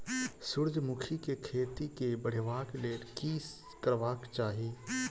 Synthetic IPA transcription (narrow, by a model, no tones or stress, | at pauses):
sʊɾd͡ʒʱmʊkʰikekʰeːt̪ikebəɽ̤ɪʋaːkleːʈkiːs | kəɾʋaːkt͡ʃaːɦieː